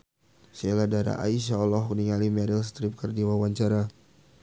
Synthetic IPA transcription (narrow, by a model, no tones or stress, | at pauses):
seladaɾa̰ʔa̰iʃaɔlːɔɦniŋalimɛɾils̬t̪ɾip̚kərdiwawaɲt͡ʃaɾa